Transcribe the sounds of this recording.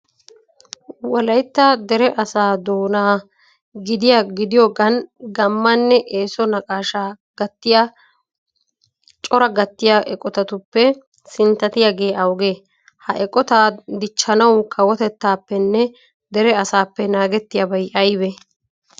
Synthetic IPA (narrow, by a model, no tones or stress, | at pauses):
wɐlɐjt̪ːad̪ɛɾɛʔɐsaːd̪oːnaː | ɡɪd̪ɪjaɡɪd̪ɪjɔɡɐnɡɐmːɐnːɛʔeːsɔnɐkʼaːʃaː | ɡɐt̪ːɪja | t͡ʃʼɔɾɐɡɐt̪ːɪjaʔɛkʼɔt̪ɐt̪ʊpːɛ | sɪnt̪ɐt̪ɪjaɡe̞ːʔɐwɡe̞ː | hɐʔɛkʼɔt̪aːd̪ɪt͡ʃːɐnɐwkʰɐwɔt̪ɛt̪ːaːpːɛnːɛ | d̪ɛɾɛɐsaːpːɛnaːɡɛt̪ːɪjabɐjʔɐjbɛ